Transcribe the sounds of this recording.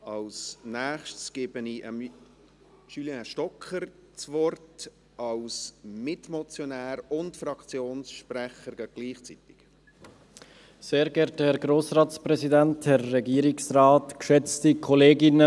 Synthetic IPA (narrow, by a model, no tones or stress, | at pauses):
ɑlsnæːχʃtsɡ̥ɪbəniʔəm | ʃylɛʃtɔkʰəɾt͡svɔrt | ɑlsmɪtmɔt͡sjɔnæːɾʊntfɾɑkt͡sjoːnsʃprɛχəɾɡ̥æɡɡ̥liːχt͡sit̪ɪ̥k | seːɾɡɛɾthɛɾɡɾoːsɾɑːtspɾɛzidænthɛrːɛɡiːɾɪksraːtkʃɛt͡stikʰɔleːɡɪnə